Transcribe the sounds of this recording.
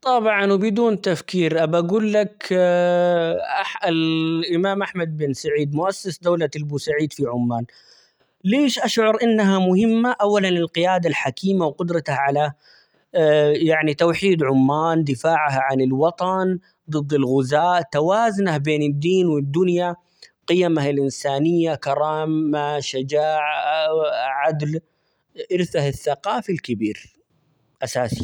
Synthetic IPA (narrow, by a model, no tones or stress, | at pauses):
t̪ˤɑbʕɑnwbɪd̪uːnt̪afkiːɾʔabaɡuːlːak | ʔaħʔɪlʔɪmaːmʔaħmad̪̚bɪnsaʕiːd̪mʊʔasːɪsd̪awlalbuːsaʕiːd̪fiʕʊmːaːn | leːʃʔaʃʕʊɾˤʔɪnːaɦamʊhɪmːaʔawːalanɪlqɪjaːd̪alħakiːmawqʊd̪ɾˤɑt̪ahʕala | jaʕnit̪awħiːd̪ʕʊmːaːnd̪ɪfaːʕɦaʕanɪlwɑt̪ˤɑn | d̪ˤɨd̪ːɪlɣʊzaːʔt̪awaːzʊnahbeːnɪd̪ːiːnwɪd̪ːʊnja | qɨjamahɪlʔɪnsaːnɪjːakɑɾˤɑːmaʃɪd͡ʒaːʕ | ʕad̪l | ʔɪɾθahɪθːaqɑːfilkɪbiːɾ | ʔasaːsi